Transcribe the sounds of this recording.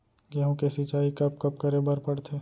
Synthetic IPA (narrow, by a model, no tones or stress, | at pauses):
ɡɛɦõkesɪt͡ʃaːikɐpkɐp̚kəɾebəɾpɐɽt̪ʰeː